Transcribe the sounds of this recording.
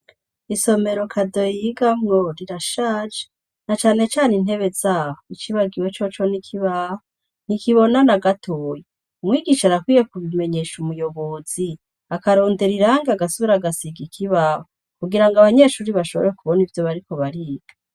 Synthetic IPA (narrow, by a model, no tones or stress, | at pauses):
iso̞me̞ɾokʰado̞jiɡamŋoɾiɾaʃaːd͡ʒe̥ | nat͡ʃaːne̞t͡ʃaːnin̥he̞βe̞zaːhoit͡ʃiβaɡiwet͡ʃot͡ʃo̞nikʰiβaho | n̥ikiβo̞nanaɡatʰoːje | umŋiːɡiʃaɾakwiːje̞kuβime̞ɲe̞ʃumujo̞βo̞zi | akaɾo̞ːnde̞ɾiɾaːŋɡeaɡasuβiɾaɡasiɡikʰiβaːho | kuɡiɾaŋɡaβaɲe̞ːʃuːɾiβaʃo̞βɾeekuβonivjo̞βaɾiko̞βaɾiːɡa